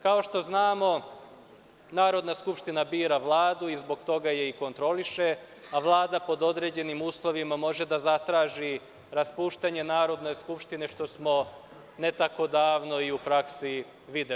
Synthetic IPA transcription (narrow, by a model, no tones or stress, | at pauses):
kao̞ʃt̪o̞znaːmo̞ | naːɾo̞d̪naskupʃt̪inabiːɾaʋlˠaːd̪uizbo̞ɡt̪o̞ɡaje̞iko̞nt̪ɾo̞liʃe̞ | aʋlˠaːd̪apo̞d̪o̞d̪ɾe̞ːd͡ʑe̞nimuːslˠo̞ʋimamo̞ʒe̞d̪azat̪ɾaːʒi | ɾaspuːʃt̪aɲe̞naːɾo̞d̪no̞jskupʃt̪ineʃt̪o̞smo̞ | ne̞t̪ako̞d̪aːʋno̞iupɾaksi | ʋid̪e